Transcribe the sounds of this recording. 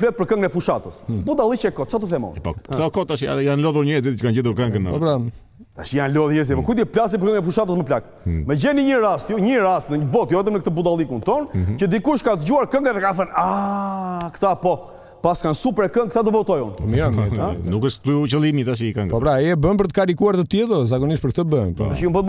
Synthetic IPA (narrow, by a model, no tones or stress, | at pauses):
fɾɛt̪̚pəɾkɐ̃ŋɡɛfuʃat̪əsbud̪alˠit͡ʃɛkɔt̪̚t͡ʃat̪uθɛmɔ̰ɛpɔ̰salkɔt̪ːaʃa̰janlɔðuɾɲɛzit̪t͡ʃə̥kand͡ʒɛd̪uɾkɐ̃ŋɡn̰ɔbɾa | t̪aʃijanlɔðɲɛs̬iɛpɔkujd̪iɛplas̬ipəɾkə̃ŋnɛfuʃat̪əs̬məplak | mɛd͡ʑɛniɲəɾast̪juɲəɾast̪nəɲəbɔt̪jɔɛt̪̬əmnək̚t̪əbud̪alˠikunt̪ɔnt͡ʃəd̪ikuʃkat̪d͡ʒuaɾkɐ̃ŋɡaðɛkaθɐna | kt̪apɔ | paskansupɛɾɛkə̃ŋk̚t̪ad̪ɔbɔt̪ɔjṵnɔmiɔmnukɛʃtt̪ut͡ʃəlˠimit̪aʃ̬ikɐ̃ŋɡpɔβɾaiɛbɐ̃p̬ɾt̪kaɾikuaɾðət̪ɛðɔzaɣoniʃpɔɾk̚t̪əbɐ̃pɾ̰aʃijũmbə